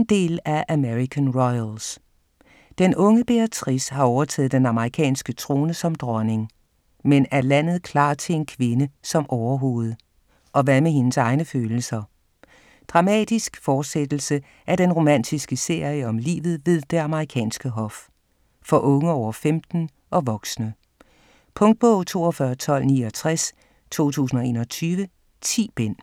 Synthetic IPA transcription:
nd̥e̝̰ːlæʔæmeʁikʰænʁɔɪls | d̥enʔɔ̽ŋəb̥e̝æt͡sʰʁishɑ̈ɒʊɐt͡sʰɛ̰ːð̩ˠd̥enɑ̈məʁikʰɛ̰ːnsɡ̥ət͡sʰʁo̝ːnəsɒ̽md̥ʁɒne̝ŋ | menæɐlæn̰ð̞̩ˠkʰlɑ̰̈ːt͡sʰe̝le̝nkʰʋe̝nəsɒ̽mʔɒʊɐɦo̝̰ːð̞̩ˠ | ʔɒ̽ʋæmeɦe̝nəsɑ̈ɪnəføːl̩sɐ | d̥ʁɑ̈mɛ̰ːd̥isɡ̥fɒːd̥sed̥l̩sə | ʔæɐɾ̥enʁo̝mæn̰d̥isɡ̥əse̝ɐ̰jəɒ̽mlḭːʋð̩ˠʋe̝ð̞ˠd̥e̝ɑməʁikʰɛ̰ːnsɡ̥əɦɒ̽f | fɒ̽ʔɔ̽ŋəɒʊɐfemd̥n̩ | ʔɒ̽ʋɒ̽ɡ̥snə | pʰɔ̽ŋd̥̚b̥ɔʊ̰t͡sʰo̝̰ːɒ̽fɶɐt͡sʰɒ̽l̰nḭːɒ̽t͡sʰʁas | t͡sʰo̝̰ːt͡sʰṵːs̬n̩ɒ̽e̝ːnɐɒt͡sʰyːʋə | t͡sʰḭːb̥en̰

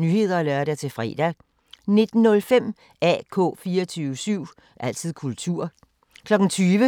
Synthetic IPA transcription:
nyːhe̝ð̰ˠɐːlɶɐɾ̥æt͡sʰe̝fʁɛ̰ːd̥æ | ne̝d̥n̩nːɔ̽lfem̰ | ʔɛ̰ːkʰɔ̰ːfiːɐɒt͡sʰyːʋəsyʊ̰ | ʔæl̰t͡sʰið̞̰ˠkʰult͡sʰuɐ̰ | kʰlɒ̽ɡ̥n̩t͡sʰyːʋə

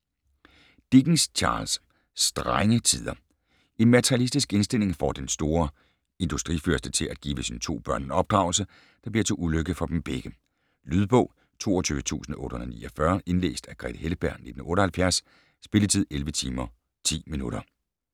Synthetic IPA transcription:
d̥iɡ̥n̩st͡ɕʰɑ̰̈ːls | d̥ʁaŋət͡sʰið̞̰ˠɐ | e̝nmæt͡sʰɐʁijælisd̥isɡ̥e̝nsd̥e̝l̰e̝ŋfɒ̰d̥ensd̥o̝ːɐ | e̝nd̥usd̥ʁḭføɐsd̥ət͡sʰe̝lʔæd̥̚ɡ̥iːʋəsint͡sʰo̝̰ːb̥ɶɐ̰nɒ̽b̥̚d̥ʁɑ̈ʊ̰l̩sə | d̥ɑ̈b̥liɐt͡sʰe̝ʔuløɡ̥əfɒ̽d̥em̩b̥eɡ̥ə | lyðˠb̥ɔ̰̽ʊ̰ | t͡sʰo̝̰ːɐt͡sʰyːʋət͡sʰṵːsn̩ʔɔ̽ːɾəhonð̩ˠɐnḭːʔɐfɶɐʔe̝nlḛːsd̥æɡ̥ʁɛ̰d̥heləb̥æɐ̰ne̝d̥n̩ɔ̽ːɾəhælfjæɐsː | b̥e̝lət͡sʰið̰ˠelʋət͡sʰiːmɐ | t͡sʰḭːminuɾ̥ɐ

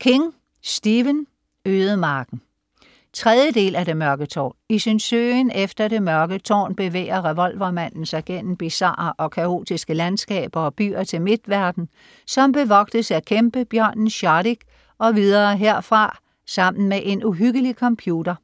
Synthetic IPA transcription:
kʰe̝ŋ | sd̥iːʋən | øːðˠəmɑ̈ːɡ̥n̩ | t͡sʰʁɛð̞ˠjəd̥e̝̰ːlæde̝mɶɐɡ̥ət͡sʰɒ̰ːisynsøːnefd̥ɐɾ̥e̝mɶɐɡ̥ət͡sʰɒ̰ːnb̥e̝ʋḛːɪɐʁɛʋɒ̽lʋɐmæn̰n̩sɑ̈ɪɡ̥en̰m̩b̥isɑ̰̈ːɐʔɒ̽kʰæo̝̰ːd̥isɡ̥əlænsɡ̥ɛ̰ːb̥ɐɒ̽b̥y̰ːɐt͡sʰe̝lme̝d̥ʋæɐd̥n̩ | sɒ̽mb̥e̝ʋɒ̽ɡ̥̚d̥əsækʰemb̥əb̥jɶɐ̰nnɕɑɾiɡ̥ | ɒ̽ʋiðˠɐːɦeɐ̰fʁɑ̈ | sɑ̈m̰n̩meʔe̝nuɦyɡ̥əlikʰɒ̽mpʰjuːd̥ɐ

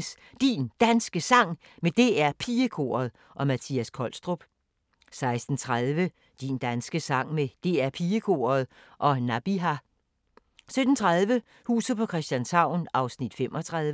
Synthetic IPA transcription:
s | d̥ind̥ænsɡ̥əsɑ̈ŋ̰ | med̥e̝æɐpʰiːəkʰo̝̰ːɐð̞̩ˠ | ʔɒ̽mæt͡sʰiːæskʰɒ̽l̰sd̥ʁob̥ | sɑ̈ɪsd̥n̩t͡sʰʁaðˠʋə | d̥ind̥ænsɡ̥əsɑ̈ŋ̰med̥e̝æɐpʰiːəkʰo̝̰ːɐð̞̩ˠ | ʔɒ̽næb̥iɦæ | sød̥n̩t͡sʰʁaðˠʋə | hṵːsð̩ˠpʰɒ̽kʰʁɛsd̥jænsɑ̈ʊ̰nʔɑ̈ʊsnid̥femʔɒ̽t͡sʰʁaðˠ

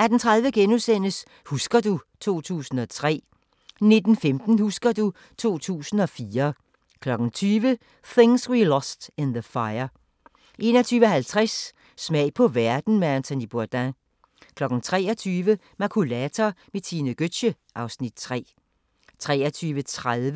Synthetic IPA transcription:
æd̥ent͡sʰʁäðˠʋəɡ̥enusen̰əs | husɡ̥ɐdut͡sʰo̝̰ːt͡sʰṵːsn̩ɒ̽t͡sʰʁɛ̰ː | ne̝d̥n̩femd̥n̩husɡ̥ɐdu | t͡sʰo̝̰ːt͡sʰṵːsn̩ɒ̽fiːɐ | kʰlɒ̽ɡ̥n̩t͡sʰyːʋə | θe̝ŋsʁilɒsd̥ɪnðəfɑ̈ɪɐ | ʔe̝nɐt͡sʰyːʋəhælt͡sʰʁasː | mɛɪ̰pʰɒ̽ʋæɐd̥n̩meænt͡sʰɔnib̥oɐd̥æ | kʰlɒ̽ɡ̥n̩t͡sʰʁɛ̰ːɐt͡sʰyːʋə | mɑkʰulæt͡sʰɐmet͡sʰinəɡ̥ød̥ɕə | ʔɑ̈ʊsnid̥̚t͡sʰʁɛ̰ː | t͡sʰʁɛːɐt͡sʰyːʋət͡sʰʁaðˠʋə

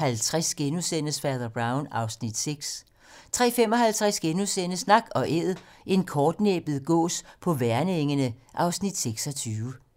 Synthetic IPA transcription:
hælt͡sʰʁasɡ̥enusen̰əsfæɐðˠɐb̥ʁɑ̈ʊnɑ̈ʊsnid̥seɡ̥s | t͡sʰʁɛ̰ːfem̰ɒ̽ɦælt͡sʰʁɛsɡ̥e̝nusenəsnɑ̈ɡ̥ɒ̽ʔeð̩ˠ | e̝nkʰɒːd̥nḛːb̥ð̩ˠɡ̥ɔ̰ːspʰɒ̽ʋæɐnəeŋənəʔɑ̈ʊsnid̥seɡ̥sɒ̽t͡sʰyːʊə

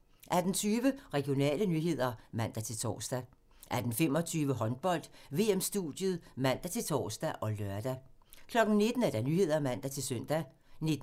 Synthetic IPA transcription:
ʔæd̥n̩t͡sʰyːʋəʁɛɡ̥ijo̝nɛ̰ːlənyɦe̝ð̞̰ˠɐmæn̰d̥æt͡sʰe̝lt͡sʰɒ̰ːsd̥æ | ʔæd̥n̩fem̰ɒ̽t͡sʰyːʋəɦɒ̽nb̥ɒ̽l̰d̥ʋe̝emsd̥uð̥ˠjəð̩ˠmæn̰d̥æt͡sʰe̝lt͡sʰɒ̰ːsd̥æʔɒ̽lɶɐd̥æ | kʰlɒ̽ɡ̥n̩ne̝d̥n̩æɐd̥ænyːhe̝ð̞̰ˠɐmæn̰d̥æt͡sʰe̝lsøn̰d̥æ | ne̝d̥

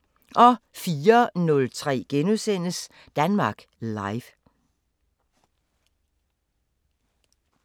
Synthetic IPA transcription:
ʔɒ̽fiːɐnɔ̽lt͡sʰʁɛ̰ːɡ̥enusen̰əs | d̥ænmɑ̈ːɡ̥lɑ̈ɪʋ

